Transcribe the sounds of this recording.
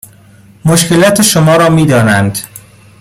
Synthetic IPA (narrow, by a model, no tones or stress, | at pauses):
moʃce̞lɒːt̪ʰeʃomɒːɾɒːmiːd̪ɒːnænd̪̥